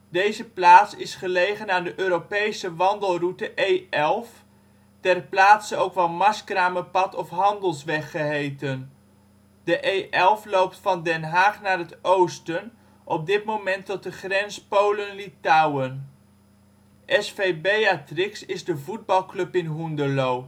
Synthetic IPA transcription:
dejzəplaːtsɪsχəlejχənaːndəʔøːɾopejsəʋɑndəlˠrutəʔejɛlˠf | tɛrplaːtsəowkʋɑnmɑskraːməpɑtɔfɦɑndəlˠsʋɛχːəɦejtən | dəʔejʔɛlˠflowp̚tfɑndɛnɦaːχnaːrɦətowstən | ʔɔb̚dɪtmowmɛntɔt̚dəχrɛnspowlənlitawən | ʔɛsfejbejatrɪksɪzdəvud̚bɑlˠklɵpɪnɦundəlow

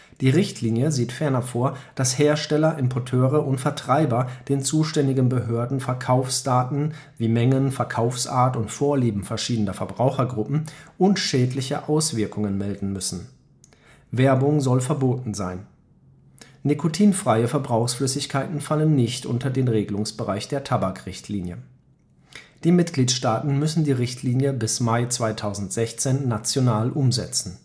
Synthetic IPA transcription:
d̥iːʁɪçtʰliːnjəziːtfɛɐnɐfoːɐd̥asheːɐʃtɛlɐʔɪmpʰɔɐtʰøːʁəʔʊntfɛɐtʁ̥aɪbɐd̥eːnt͡suːʃtɛndɪɡnbəɦøːɐdn̩fɛɐkʰaʊfsd̥aːtn̩viːmɛŋənfɛɐkʰaʊfsʔa̰ːɐtʊntfoːɐliːbm̩fɛɐʃiːdən̩ɐfɛɐbʁaʊxɐɡʁʊpm̩ʊntʃɛːdlɪçə̰ʔaʊsv̥ɪɐkʊŋənmɛldn̩mʏsn̩ | vɛɐbʊŋzɔlfɛɐboːtn̩zaɪn | nikʰotʰiːnfʁ̥aɪəfɛɐbʁaʊxsflʏsɪçkʰaɪtn̩falənːɪçtʔʊ̰ntɐdeːnʁeːɡəlʊŋsb̥əʁaɪçd̥eːɐtʰabakʁ̥ɪçtʰliːnjə | d̥iːmɪtɡ̥liːtʃtaːtn̩mʏsn̩diːʁɪçtʰliːnjəbɪsmaɪt͡sv̥aɪtʰaʊzn̩tz̥ɛçt͡seːnːat͡sjonaːlʔʊmzɛt͡sn̩

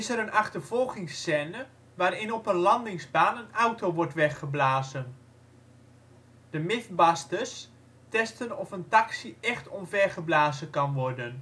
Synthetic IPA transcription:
ɪsəɾənɑχtərv̥ɔlˠχɪŋsːɛːnə | ʋaːɾɪnɔpənlɑndɪŋzbaːnənawtoʋɔɹtʋɛχəblaːzən | d̥əmɪθbɑstəs | tɛstənɔfəntɑksiʔɛχtɔnvɛrχəblaːzəkɑnʋɔrdən

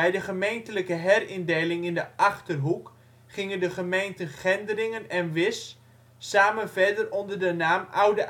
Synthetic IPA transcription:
ɛjdəχəmejntələkəɦɛrɪndejlɪŋɪndəʔaχtərɦuk | χɪŋəndəχəmejntənχɛndərɪŋənɛnʋɪsː | aːmənvɛrdərɔndərdənaːmawdəʔ

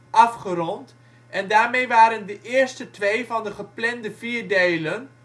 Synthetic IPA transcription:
ʔɑfχərɔnt | ʔɛndaːɹmejʋaːɾəndəʔɪːɹstətʋejvɑndəχəplɛndəviːɹdejlən

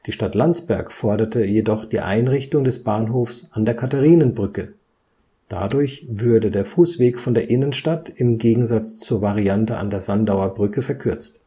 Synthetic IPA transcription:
d̥iːʃtatlant͡sb̥ɛɐkfɔɐɾɐtʰəjedɔχd̥iːʔa̰ɪnʁɪçtʊŋdɛsb̥aːnɦoːfsʔandeːɐkʰataʁiːnənbʁʏkə | d̥a̰dʊɐçv̥ʊɐdədeːɐfuːsv̥eːkfɔndeːɐʔɪnənʃtatɪmɡeːɡŋ̩zat͡st͡suːɐvaʁiantəʔa̰ndeːɐzandaʊɐbʁʏkəfɛɐkʰʏɐt͡st

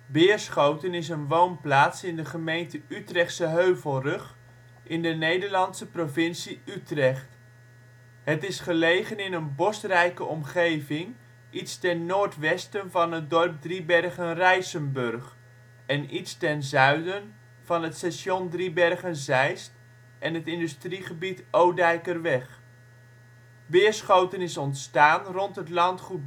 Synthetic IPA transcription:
bɪːɹsχowtənɪs̬ənʋownplaːtsɪndəχəmejntəytrɛχtsəɦøɥvəlˠrɵχ | ʔɪndənejdəɹlɑntsəprovɪnsiytrɛχt | ɦətɪsχəlejχənɪnənbɔstrɛjkəɔmχejvɪŋ | ʔitstɛnnoːɹtʋɛstənvɑnɦədɔrb̚dribɛrχənrɛjsənbɵrχ | ɛnitstɛnzœɥdən | v̥ɑnətsɛʃɔndribɛrχənzɛjst | ʔɛnətɪndystriχəbitowdɛjkərʋɛχ | ʋɪːəɹsχowtənɪsɔntstaːnrɔntɦətlɑntχut̚

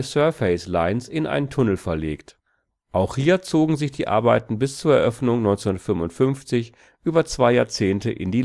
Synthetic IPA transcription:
sœɐfeɪslaɪnsɪnʔa̰ɪntʰʊnl̩fɛɐleːkt | ʔaʊxhiːɐt͡soːɡŋ̩zɪçd̥ḭːʔa̰ɐbaɪtn̩bɪst͡suːɐɛɐʔœfnʊŋnɔʏnt͡senʊndɐtfʏmʊntfʏnft͡sɪç | ʔyːbɐt͡sv̥aɪjaːɐt͡seːntəʔɪ̰ndiː

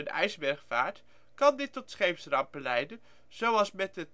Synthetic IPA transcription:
ənɛ̰jzbɛɹχfa̰ːɹt | kɑndɪtːɔtsχejpsrɑmpəlɛjdən | z̥owɑlˠsmɛtət

